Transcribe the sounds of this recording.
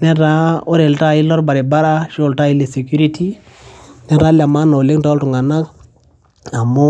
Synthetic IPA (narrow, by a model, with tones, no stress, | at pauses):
nɛ˦ɾa˦o˦ɾe˨lta˦˨i˦lɔ˦ɾba˨ɾɛ˨ba˦ɾa˦ʃɔ˨lta˦i˦le˨se˨kju˦ɾi˦tʰi˦ | nɛ˦ɾa˨˦la˨ma˦na˨o˨le˦ŋta˦ltu˨ŋa˨na˦k | a˨mʊ˦